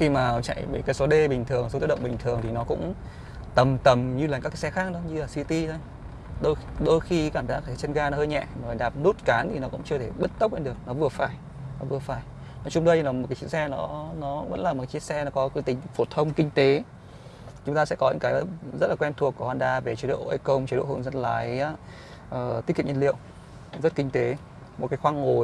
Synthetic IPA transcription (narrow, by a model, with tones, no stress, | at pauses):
xi˧maː˨˩t͡ɕa̰˧˨jvi˨˩kaː˨˦jso˨˦ɗe˧ɓï˨˩ŋ̟t̪ʰɨ˨˩əŋso˨˦i˧˦˥ɗə̰˧˨wŋ͡mɓï˨˩ŋ̟t̪ʰɨ˨˩əŋt̪ʰi˨˩nɔ˨˦kʊ̰˧˥ŋ͡m | t̪ə˨˩mt̪ə˨˩mɲɨ˧laː˨˩ka˦˥kːaː˨˦sɛ˧xaː˦˥k̚ɗɔ˨˦ɲɨ˧laː˨˩si˧t̪i˧t̪ʰo˧j | ɗo˧jɗo˧jxi˧kaː˧˩mzaː˦˥k̚aː˧˨˩t͡ɕə˧nɣaː˧nɔ˨˦həː˧jɲɛ̰˧˨ʔməː˨˩˨ɗaː˨˩p̚nu˦˥t̚kaː˨˦nt̪ʰi˨˩nɔ˨˦kʊ̰˧˥ŋ͡mt͡ɕɨ˧ət̪ʰe˧˩ɓə˦˥t̚t̪ə˦˥k͡p̚nɗɨ˨˩ək̚nɔ˨˦vɨ˨˩əfaː˧˩j | nɔ˨˦vɨ˨˩əfaː˧˩j | nɔ˨˦t͡ɕʊ˧ŋ͡mɗə˧jlaː˨˩mo˨˩t̚ka˨˦t͡ɕḭ˧˥nsɛ˧nɔ˨˦nɔ˨˦və̰˧˥nlaː˨˩o˨˩ka˨˦t͡ɕḭ˧˦ənsɛ˧nɔ˨˦kɔ˨˦kːt̪ï˨˩ŋ̟fo˧˩t̪ʰə˧wŋ͡mkï˧ŋ̟t̪e˨˦ | t͡ɕʊ˨˦ŋ͡mt̪aː˧sɛ̰˧˥kɔ˨˦ɲɨ̰˧˥ŋkaː˨˦jzə˦˥t̚laː˨˩kwɛ˧nt̪ʰu˨˩əkːu˧˩hwaː˧˩nɗaː˧˩ve˨˩t͡ɕi˨˦ɗo̰˧˨˩ʔə˧˦kə˧wŋ͡mt͡ɕːo̰˧˨hə̰˧˨nzə˧nlaː˨˦j | ʔəː˨˩t̪i˦˥kḭ˧˨ɲə˧nlḭ˧˨əw | zə˦˥t̚kï˧ŋ̟t̪e˨˦ | mo˨˩kaː˨˦jxwaː˧ŋŋo˨˩